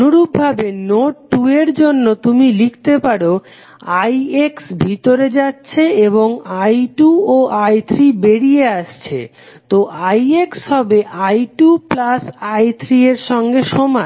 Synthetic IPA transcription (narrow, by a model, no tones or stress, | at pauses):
nuɾub̚bʱabenoʈːueɾd͡ʑonːot̪umilik̚ʰt̪epaɽo | ajeksbʱit̪oɾed͡ʑatːɕʰeeβoŋajʈuoʔajt̪ʰɾibeɽijeaʃt͡ɕʰḛ | t̪oʔajekshɔbeʔajʈuplasajt̪ʰɾieɾʃɔŋɡeʃoma